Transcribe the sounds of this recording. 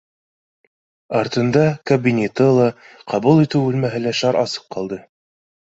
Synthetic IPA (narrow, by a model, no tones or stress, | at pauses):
ɑɾt̪ɤ̆nd̪ɑkɐbʲinʲet̪ɤlˠɑ | qʰɑβulˠit̪ɘwʉlmæɦɘ̆læʃɑɾʔɑsɤ̥qqɑlˠd̪ɤ